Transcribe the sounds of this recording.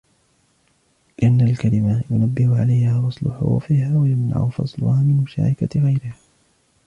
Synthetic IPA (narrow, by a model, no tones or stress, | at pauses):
lɪʔanːalkalɪmajʊnabːɪhʊʕa̰lajhaːwɑsˤlʊ̰ħʊ̰hfiːhaːwajamna̰ʕʊfɑ̰sˤlʊ̰haːmɪnmʊʃa̰ːɾɪkaɣajɾɪhaː